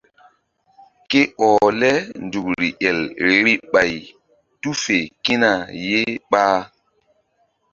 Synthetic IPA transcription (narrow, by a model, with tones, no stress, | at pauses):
ke˦ɔː˨lɛ˦ndu˨kɾi˨ʔɛ˨lɾi˦ɓa˨j | tu˦fe˨ki˦na˨je˦ɓaː˦